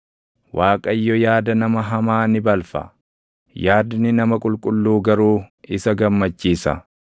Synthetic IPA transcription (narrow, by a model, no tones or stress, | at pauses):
wʔaːkʼɐjːɔjaːd̪ɐnɐmɐɦɐmaːnɪbɐlfɐ̰ | jaːd̪nɪnɐmɐkʼʊlkʼʊlːuːɡɐɾuːɪsɐɡɐmːɐt͡ʃːiːsɐ̰